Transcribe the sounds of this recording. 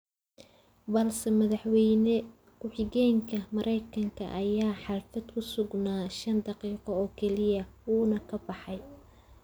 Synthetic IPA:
bɐlsɛmɐðɑħwɛjnɛ | kʰʊħɪɣɛːŋkʰɐmɐɾʔɛjkʰɐŋkʰɐ̰ʔɐjaːħɑlfɐd̪kʰʊsʊɡnaːʃɐnd̪ɑqiːqɔɔːkʰɛlɪjɐuːnɐkʰɐbɑħɑj

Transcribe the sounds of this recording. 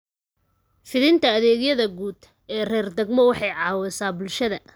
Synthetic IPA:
fɪðɪnt̪ʰɐːðɛːɣjɐðɐɡuːd̪ | ɛːrɛːrd̪ɛɡmɔwɑħɑjʕɑːwɛsaːbʊlʃɐðɐ

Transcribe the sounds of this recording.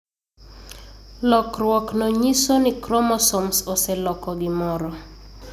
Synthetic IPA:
lɔkrwɔknɔɲisonikɾɔmɔsɔmsosɛlɔkɔɡɪmɔɾɔ

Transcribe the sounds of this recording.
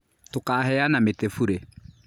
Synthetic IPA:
tʊkaːhɛjanamɪtefuɾe

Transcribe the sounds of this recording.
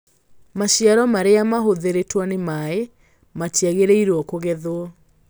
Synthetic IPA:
maɕiaɾɔmaɾeamaɦoðeɾetwanemae | matjaɣeɾeiɾwɔkoɣɛðoɔ

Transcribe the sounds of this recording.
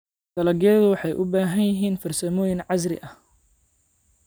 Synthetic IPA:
d̪̥ɐlɐɡɛðʊwɑħɑjʔʊbaːɦɐnjɪɦiːnfɐrsɐmɔːjɪnʕɑsrɪ̰ʔɐh

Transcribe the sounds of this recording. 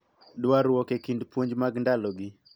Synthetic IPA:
dwaɾwɔkekindpwoɲd͡ʒmaɡndalɔɡi

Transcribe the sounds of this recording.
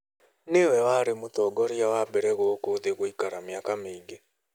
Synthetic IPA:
newɛwaɾemotɔɡɔɾiawabɛɾɛɣokoðeɣoikaɾamjakameiɡe

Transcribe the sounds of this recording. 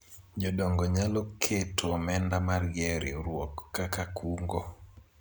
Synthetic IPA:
d͡ʒɔdɔŋɡɔɲalokʰetʰomɛndamarɡɛɾɪɾwɔkːakakʰuŋɡɔ

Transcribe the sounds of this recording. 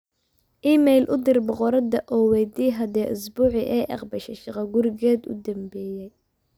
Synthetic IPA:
ʔiːmɛjlʔʊd̪ɪrbɔqɔɾɐd̪ɐʔɔːwɛjd̪iːɦɐd̪ɛːʔʊsbuːʕɪ̰ʔɛːʔɑ̰qbɐʃɛʃɑqɐɡʊɾɪɣɛːd̪ʊ̰d̪ɐmbɛːjɛj

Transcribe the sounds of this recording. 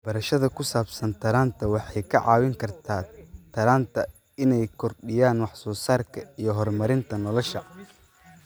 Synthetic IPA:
b̥ɐɾɐʃɐðɐkʰʊsaːbsɐnt̪ʰɐɾaːnt̪ʰɐwɑħɑjkʰɐʕɑːwɪŋkʰɐrt̪ʰaːt̪ʰɐɾaːnt̪ʰɐ | ɪnɛjkʰɔrɗɪjaːnwɑħsɔːsaːrkʰɐijɞɦɔrmɐɾɪnt̪ʰɐnɔlɔʃɐ

